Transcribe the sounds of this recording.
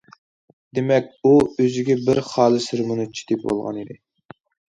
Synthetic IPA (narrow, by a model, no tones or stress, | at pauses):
d̪emɛkʲuøzɪɡʲɛbɪɾχɑːlˠɨsɪɾmunut͡ʃʰi̥t̪ʰɪpbo̰lˠʁɑ̰nid̪ɪ